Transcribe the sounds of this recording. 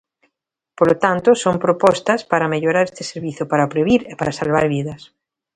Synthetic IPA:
polot̪ant̪osompɾopɔst̪aspaɾameʎoɾaɾest̪eseɾβiθjopaɾapɾeβiɾepaɾasalβaɾβ̞iðas

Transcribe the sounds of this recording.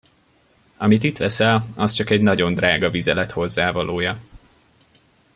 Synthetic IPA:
ɒmit̪it̪ʋɛsɛlɒst͡ʃɒkɛɟnɒɟo̞nd̪raːɡɒvizɛlɛt̪ho̞zːaːvɒloːjɒ

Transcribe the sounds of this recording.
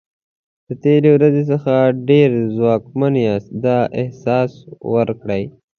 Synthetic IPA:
d̪̥ət̪eɾewɾazes̬əxaɖeɾzwɑːkmaneasd̪ɑʔɪhsɑːswəɾkɽəj

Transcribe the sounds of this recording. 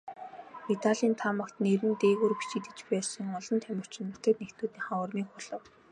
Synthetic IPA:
it̪aɮʲiːnt̪ʰamə̆kt̪neɾɘ̆nt̪eːɣuːrpi̥t͡ɕĭt̪ɘ̆t͡ɕpæːsə̆ŋɔɮɞ̆nt̪ʰæmʲɪ̆r̥t͡ɕʰɪ̆nːʊt̪ə̆k̪̚nekt̪uːt̪niːχawə̆rmiːkχʊɮə̆w

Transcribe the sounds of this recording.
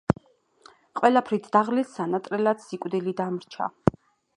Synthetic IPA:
qʼwɛlapʰɾit̪ʰd̪aʁlisːanat̪ʼɾɛlat̪sikʼwd̪ilid̪amɾt͡ʃʰa̰

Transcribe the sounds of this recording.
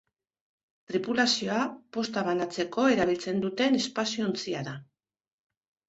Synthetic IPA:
t̪ɾipulasio̞apo̞st̪aβanat͡se̞ko̞e̞ɾaβ̞ilt͡se̞nd̪ut̪e̞ne̞spasiont͡siaða

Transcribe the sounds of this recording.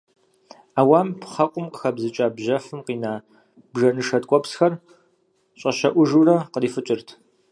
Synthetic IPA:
aːwaːmpχɐqʷʼʊmqəxɐbzɨt͡ʃʼaːbʑɐfɨmqiːnaː | bʒɐnɨʂɐtʼkʷʼɔpsxɐr | ɕʼɐʃɐʔʷʊʒuːrɐqəriːfɨt͡ʃʼɪrtʰ

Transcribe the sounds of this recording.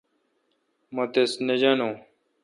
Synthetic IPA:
mɐt̪esned͡ʑanõː

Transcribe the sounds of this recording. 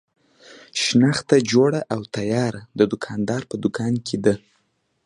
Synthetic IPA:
ʃnaxt̪ad͡ʒoɽaʔawt̪ajɑɾad̪əd̪ʊkʰɑnd̪ɑɾpəd̪ʊkʰɑnkʰed̪ə

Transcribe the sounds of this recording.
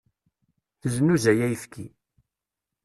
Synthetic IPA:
θəzənːuzæjæjəfkʰi

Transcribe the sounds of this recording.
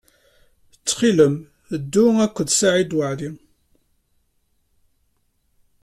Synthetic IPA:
t͡sːχiləm | d̪ːʊækʷːəd̪saʕid̪wəʕli

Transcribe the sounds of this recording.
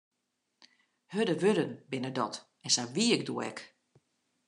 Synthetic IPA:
hødəʋødənbɪnədɔt | ɛnsaʋiːək̚duəɛ̰k

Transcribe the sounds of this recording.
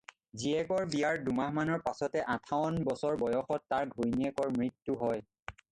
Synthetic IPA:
ziɛkɔɹbijaɹdumaɦmanɔɹpasɔtɛʔãtʰawɔnbɔsɔɹbɔjɔxɔtːaɹɡʱojniɛkɔɹmɹitːuɦɔj

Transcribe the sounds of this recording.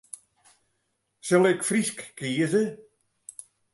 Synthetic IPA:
sɛlɪkfɾiskːiːəzə

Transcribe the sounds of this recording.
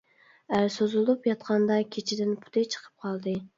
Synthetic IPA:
æɾsozulˠupjɑt̪qʰɑnd̪ɑkʲʰet͡ʃʰɪd̪ɪnpʰu̥t̪ʰɪt͡ʃʰə̥qʰə̥p̚qʰɑlˠd̪ɨ

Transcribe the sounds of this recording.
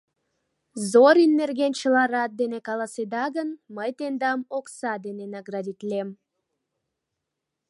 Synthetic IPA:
zoɾinːerɣent͡ɕəlɑɾɑt̪̚d̪enekɑlˠɑsed̪ɑɣənməjt̪end̪ɑmoksɑd̪enenɑɡrɑd̪ʲit̪lʲem

